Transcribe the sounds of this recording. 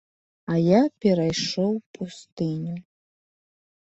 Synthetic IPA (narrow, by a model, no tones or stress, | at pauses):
ajapʲɛɾajʂɔwpust̪ɨnʲu